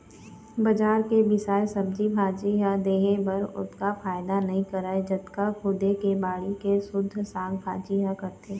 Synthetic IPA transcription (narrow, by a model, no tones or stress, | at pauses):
bɐd͡ʒaːɾkebɪsaːesɐb̚d͡ʒibʱaːd͡ʒiɦad̪eːɦẽbɐɾʊ̰t̪kafaːɪd̪anɐɦĩkɐɾaːed͡ʒɐt̪kakʰʊd̪ekebaːɽikesʊd̪ʱːsãːɡbʱaːd͡ʒiɦakɐɾt̪eː